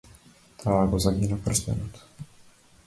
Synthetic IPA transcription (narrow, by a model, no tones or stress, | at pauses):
t̪ʰaːɡɔzaɡinaprst̪ɛ̰nɔt̪